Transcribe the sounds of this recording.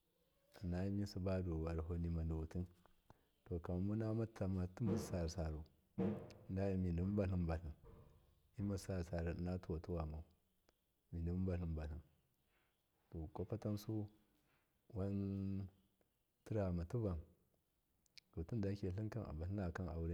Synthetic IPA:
a˨na˦ji˦mi˦su˦ba˦do˨wa˨ɾɦo˦ni˨ma˨ndu˨wu˨tu˦n | to˨ka˨ma˨mu˦na˦ma˦ta˨ma˨tu˦ma˨sa˨ɾsa˨ɾu˨ | nda˦ji˦mi˨ndi˨m˦ba˨ɬi˦mba˨ɬi˨n | i˦ma˨˦sa˦ɾsa˨ɾu˨na˦tu˦wo˨tu˦wa˨ma˨˦ | mi˨ndi˨m˦ba˨ɬi˨mba˨ɬi˨n | to˨ko˦pa˦ta˦msu˦ | wa˦n | ti˦ɾa˨ma˨tu˦ba˨n | do˨tu˦nda˨˦kʲe˨ɬi˦ŋka˦nʔa̰˨ba˨ɬi˦a˨ka˦na̰˨wu˦ɾe˦

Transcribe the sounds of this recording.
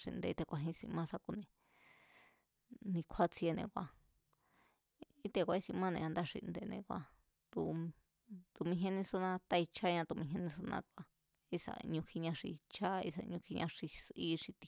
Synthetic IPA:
ʂḭ˧nd̪ḛ˧t̪e˧kʷa˧ɦĩ˧˦˧sĩ˧mã˦˧sa˧ku˧nẽ˧ | nĩ˧kʷʰa˦t͡se˧nḛ̃˧kʷa˧ | i˦t̪e˧kʷa˧i˦˧sĩ˧mã˦˧nẽ˧a˧nd̪a˦ʂḭ˧nd̪e˧nḛ̃˧kʷa˧ | t̪u˧ | t̪u˧mĩ˧˦ɦẽ˦nĩ˧su˧nã˧t̪a˧i˧t͡ʃʰa˦ɲã˧t̪u˧mĩ˧ɦẽ˧nĩ˧su˧nã̰˧kʷa˧ | i˧sa̰˧˨˧ɲũ˧kʰi˧ɲã˧ʂḭ˧t͡ʃʰa˦ḭ˧sa̰˧ɲũ˧kʰi˧ɲã˧ʂi˧sʔi˦ʂi˧t̪i̥˧

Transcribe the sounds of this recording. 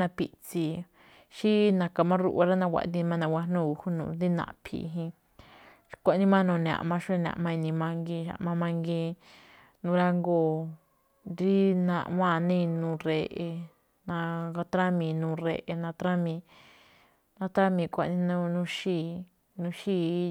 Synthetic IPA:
ã˧pi˧ʔt͡si˧ | ʃi˦nã˧ka˧˨mã˦ɾṵ˧ʔa˧ɾa˦nã˧wʷa̰˧˨˦d̪i˧mã˦˧nã˧wʷa˧nũ˦˨u˧hu˦nṵ̃˧˨nd̪i˦nã̰˧˨pʰḭ˧˨˧ɦĩ˧ | kʷa˧˨˦nĩ˦mã˦nũ˧˨n˧ã̰˨ʔmã˧ʃu˦e˦˧n˧ã̰˧˨mã˧i˧nĩ˧mã˧ŋɡi˧ʃa̰˨ʔmã˧mã˧ŋɡĩ˧ | nũ˧ɾa˧ŋɡoː˦˨ | ɾi˦nã̰˧ʔwã˦˨˧nĩ˦˧nũ˧ɾe˧ʔe˧ | nã˧ɡa˧t̪ɾa˦mĩ˧nũː˧ɾe˧ʔe˧nã˧t̪ɾã˦mĩ˧ | nã˧t̪ɾa˦mĩ˧kʷa˧˨˧nĩ˧˦nũ˦˧nũ˧ʃiː˦˧ | nũ˧ʃi˦

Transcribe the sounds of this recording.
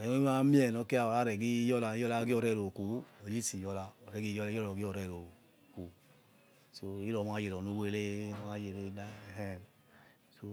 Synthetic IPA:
ɛ˨˦o˦ma˦mi˦ɛ˨nɔ˨˧ke˦a˨ɔ˨la˦ɾɛ˨ɡi˦jɔ˦la˧˦jɔ˦la˧˦ɡɔ˧˨ɾɛ˧˨ɾo˨ku˨˦o˨ji˦si˨jɔ˧la˧ɔ˨ɾɛ˨˦ɡi˦jɔ˧˦ɔ˦lɔ˨ɡi˦ɔ˧˨ɾɛ˧˨ɾo˨ | ku˨ | so˧i˦lɔ˨˧˨m˦a˨˧je˨lɔ˨nu˧˦we˦˧˦le˦˨˦a˧˦je˨le˧i˧˦na˦˨ɦɛ˦˨ | so˦

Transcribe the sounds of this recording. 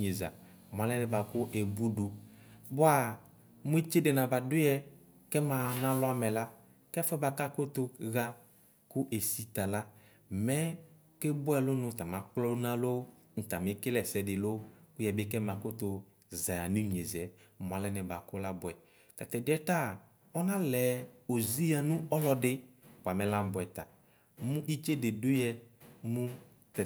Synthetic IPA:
ɲe˨za̰˨ | mʷ˨a˨lɛ˦nɛ˨ba˨kʊ˦ʔɛ˨bu˦du˨bʊ˦a˨ | mu˦e˦t͡ʃe˦dɛ˨nã˨ba˨dʊ˦ɛ˦ | kɛ˦mã˨nã˦lʊ˦a˦mɛ˨la˦ | kɛ˦fɔ˦ba˨ka˦ko˦t̪ʊ˦ɣa˦ | kʊ˦ʔe˨si˨ta˨la˦ | mɛ˦ | ke˦bʊ˦ɛ˨lʊ˦nʊ̃˨ta˨mã˨k͡plɔ˦nã˦lo˦ | n̩˨ta˨mɪ˦kɪ˦lɛ˨sɛ˨dɪ˨lʊ˦kʊ˦jɛ˨bɪ˦kɛ˦mã˨kʊ˦tʊ˨ | za˨ja˨nu˦ɲ˨e˨zɛ˨˦ | m˨a˨lɛ˦nɛ˨ba˨kʊ˦la˦bʊ˨ɛ˨ | ta˨tɛ˨dɛ˦ta˦˨ | ɔ˦nã˦lɛ˨o˨zi˦ja˨nʊ̃˦ɔ˦lɔ˨dɪ˦k͡pa˨mɛ˨la˦m˨bʊ˨ɛ˨ta˨ | mʊ̃˦ʔi˦t͡ʃe˦de˨dʊ˦jɛ˧mʊ̃˦ | tɛ˨

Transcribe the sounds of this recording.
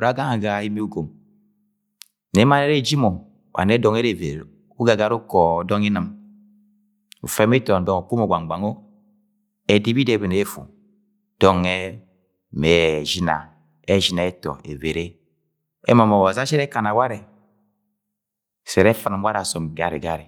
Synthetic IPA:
u˨ɾa˨˦ɡa˦ŋa˨ɡa˨i˦mi˦u˦ɡo˨m | nɛ˨˦ma˦nɛ˦ɾe˦d͡ʒi˦mo˨ | wʔa̰˨nɛ˦dɔ˨ŋe˦ɾe˨ve˨ɾ | u˦ɡa˨ɡa˦ɾu˦kɔ˨dɔ˦ŋi˦nə˨m | ṵ˨fɛ˦mi˦tɔ˨n˨dɔ˨o˨k͡pu˦mo˨ɡʷa˨ŋ˨ɡ͡ba˨ŋo˦ | ɛ˨di˦bi˦de˦˨be˨ne˨e˦fṵ˨ | d̥ɔ˦ŋɛ˦ | me˨ʒi˦na̰˨ | ɛ˦ʒi˨na˨ɛ˦tɔ̰˨ḛ˨ve˨ɾe˦ | ɛ̰˦ma˨mɔ˨wa˨za˦ʃɛ˦ɾɛ˦ka˨na˨wa˦ɾe˨ | sɛ˨ɾɛ˦fa˨n˨mwa˦ɾa˨sɔ˨m˨ɡa˨ɾḭ˨ɡa˦ɾi˨

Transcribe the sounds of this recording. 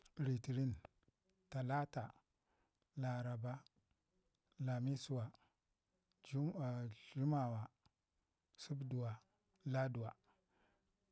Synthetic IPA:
ɾi˨ti˨ɾi˦n | ta˨la˦ta˨ | la˨ɾa˨ba˦ | la˨mi˦su˨wa˨˦˨ | ɮu˦ma˨wa˨ | su˦bdu˨wa˨ | la˦du˨wa˨

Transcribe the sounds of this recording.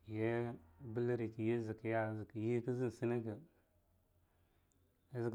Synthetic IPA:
je˦bə˦lə˦ɾi˨ki˨je˦zi˨kə˨ja˦˨zə˨kə˨ji˦kə˦zi˦n˨si˦nə˦kə˨ | a˦zə˨k

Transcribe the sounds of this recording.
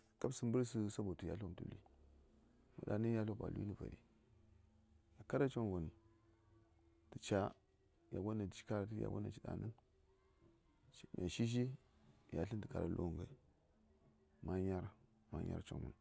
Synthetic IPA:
ka˦bsə˦mbə˦ɾsu˦sa˦bo˨tu˨ja̰˦ɬm˨tṵ˨li˦ | mṵ˨da˨ni˦ja˦ɬo˦ba̰˨lu˦i˦ə˦˨va̰˨ɾḭ˨ | ja˨ka˦ɾa˦t͡ʃo˦nvu˨n | tə˨t͡ʃa˦ | ja˨ɡʷo˦na˨t͡ʃi̥˦ka˦ɾa˦tja̰˨ɡo˦na̰˨t͡ʃi˨da̰˨nə˦n˨ | mʔa˨ʃi˦ʃ̬i˦ | ja˨ɬi˦ndə˨ka˨ɾa̰˨lʔo̰˦˨ŋɡa˨i˨ | ma˦ɲa˦ɾ | ma˦ɲa̰˦ɾt͡ʃo̰˦vu˨n

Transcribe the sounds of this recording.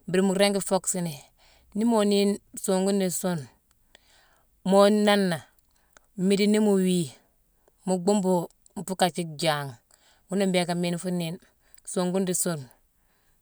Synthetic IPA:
bi˨ɾi˨mu˨ɾe˦ŋɡi˦fo˦ksi˨ni˨ | ni˦mo˦ni˦nso˨ŋɡu˦ndi˨so˦n | mo˦na˦nːa˨ | mi˦di˦ni˦mu˨wi˦ | mu˨ɡu˦mbo˨ | m˨fu˦ka˨t͡ʃi˦k̚d͡ʒa˨ŋ | wu˦ni˦mbeː˨ka˨mi˦nfu˦ni˦n | so˨ŋɡu˦ndi˨so˦n

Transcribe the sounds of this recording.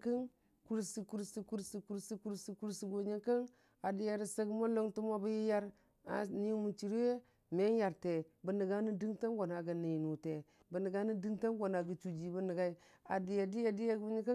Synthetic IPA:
ki˦n | ku˦ɾsi˨ku˦ɾsi˨ku˦ɾsi˨ku˦ɾsi˦ku˦ɾsi˨ku˦ɾsi˨˦ɡo˨ɲi˦ka˦n | a˨di˨ja˨ɾi˦sa˦ɡmo˦lo˦ŋtu˦mo˦bi˦ji˦ja˦ɾ | a̰˨ni˦mu˨t͡ʃi˨ɾwe˦ | me˦n˦ja˨ɾte˨bə˨ni˨ɡa˦ni˦di˦ŋta˦nɡo˨na˨ɡa˨ni˨jnu˨te˨ | bə˨ni˨ɡa˦ni˦di˦ŋta˦nɡo˨na˨ɡə˨t͡ʃu˨d͡ʒi˨bə˦ni˨ɡa˦i˦ | a˨di˨ja˨di˦ja˨di˦ja˦ɡu˦ɲi˦ka˦

